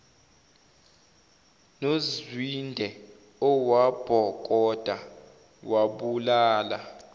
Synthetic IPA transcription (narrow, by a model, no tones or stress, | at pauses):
nozzwindʱɛ | ɔwab̥ʱɔk̬ʼɔd̥ʱa | waɓulaːla